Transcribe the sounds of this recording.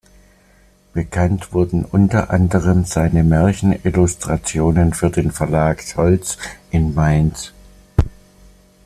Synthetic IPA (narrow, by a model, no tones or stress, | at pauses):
b̥əkʰantv̥ʊɐdn̩ʔʊntɐʔa̰ndəʁ̞əmz̥aɪnəmɛɐçn̩ʔɪlʊstʁ̥at͡sjoːnənfyːɐdeːnfɛɐlaːkʃɔlt͡sʔɪnmaɪns